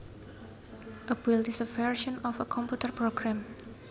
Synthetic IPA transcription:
ʔəbilisəfɛɹʃɔ̃nɔfəkʰɔ̃mput̪ərpɾoɡɾãm

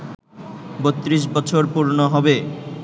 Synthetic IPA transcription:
bot̪ːɾiʃ̬bɔt͡ɕʰoɾpuɾnoɦɔbe

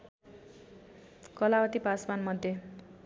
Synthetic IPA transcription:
kʌlawʌt̪ipasbanmʌd̪ʱːe

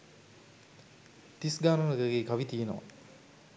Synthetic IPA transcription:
t̪isɡaːnɐnəɡəɡeːkaʋit̪ijenoʋa̰

